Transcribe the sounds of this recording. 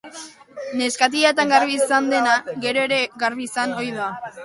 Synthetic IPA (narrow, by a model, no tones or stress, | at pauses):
ne̞skat̪̬iat̪aŋɡaɾβisand̪e̞naɡe̞ɾo̞e̞ɾe̞ɡaɾβisano̞jðoa